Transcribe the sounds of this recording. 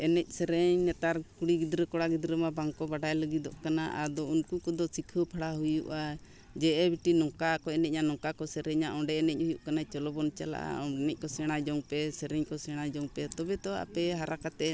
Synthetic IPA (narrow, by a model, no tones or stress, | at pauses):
ɛnɛc̚ˀsɛɾɛɲnɛt̪aɾkuɽiɡid̪ɾəkɔɽaɡid̪ɾəmabaŋkɔbaɖajləɡid̪ɔ̰ʔkanaʔad̪ɔunkukɔd̪ɔsikʰəpʰaɽaɦujṵʔa | d͡ʒɛʔɛbiʈinɔkakɔɛnɛc̚ɲanɔŋkakɔsɛɾɛɲaʔɔɖɛɛnɛc̚hujuʔkanat͡ʃɔlɔbɔnt͡ʃala̰ʔa̰ɔnɛc̚ˀkɔsɛɽ̃ad͡ʒɔŋpɛsɛɾɛɲkɔsɛɽ̃ad͡ʒɔŋpɛt̪ɔbɛt̪ɔa̰pɛɦaɾakat̪ɛ